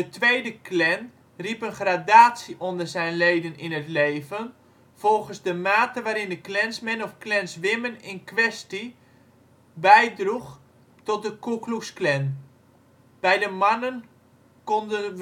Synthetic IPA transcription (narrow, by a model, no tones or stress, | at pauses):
dətʰʋejdəklɛn | ripənχradaːtsiʔondərzɛjnlejdənɪnətleːvən | v̥ɔlˠɣənzdəmaːtəʋaːɾɪndəklɛnsmɛnɔfklɛnsʋɪmənɪnkʋɛsti | bɛjdrux | tɔt̚dəkuklusklɛn | b̥ɛjdəmanən | kondə